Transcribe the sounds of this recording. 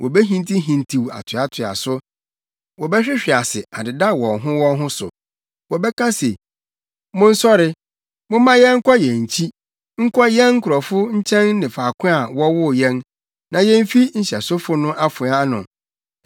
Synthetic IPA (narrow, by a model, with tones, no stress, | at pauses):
wʔɔ˨bɛ˦ɦĩ˦n˦tʰi˦ɦĩ˨n˨tʰi˨wa̰˨tʰʊ˨a˨tʰʊ˨a̰˨sʊ˦ | wɔ˨bɛ˦ɕᶣɪ˦ɕᶣɪ˨a˨sɪ˨a˨dɪ˨da˦˨wɔ̃˨nɦʊ̃˦wɔ̃˦ɦʊ̃˦sʊ̰˨ | wɔ˨bɛ˦kʰã˦se˨ | mʊ̃˦n̩˦sɔ˦ɾɪ˦ | mʊ̃˦mã˦jɛ˦ŋ̩˦kʰɔ˦jɛ̃˨ɲ̩˨t͡ɕʰi˦ | ŋ̩˦kʰɔ˦jɛ̃˦nŋ̩˦kʰʊ˨ɾɔ˨fʊ˦ɲ̩˦t͡ɕʰɛ̃˦n˦nɪ̃˨faː˨kʰʊ̃˦a˨wɔ˦wʊ˦˨jɛ̃˦n | nã˨jɛ̃˦m˦fi˦ɲ̩˦ɕɛ˨sʊ˦fʊ˦nʊ̃˦ʔa˦fʊ˨˦a˦nʊ̰̃˨